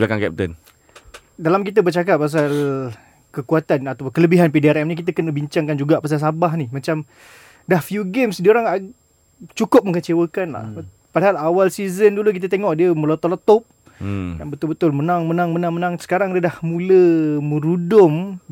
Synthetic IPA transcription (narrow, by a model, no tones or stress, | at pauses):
blakaŋkɛ̰p̚t̪ə̰n | dalamkit̪̬əbərt͡ʃakap̚pas̬al | kəkuat̪anat̪apʊnkələbiɦanpidiɛɾɛmnĩk̬it̪̬əkənəbiɲt͡ʃaŋkand͡ʒuɡaʔpas̬alsabaɦnimãt͡ʃam | dahfjuɡemsdioɾaŋa | t͡ʃukʊp̚məŋət͡ʃewəkanla̰h | padaɦalawalsizənduluk̬it̪̬ət̪eŋɔʔdiəməlot̪ɔʔlɔt̪ɔp̚ | jaŋbət̪ʊlbət̪ʊlmənaŋmənaŋmənaŋmənãŋsə̥kaɾaŋdiədahmũləmə̃ɾudʊm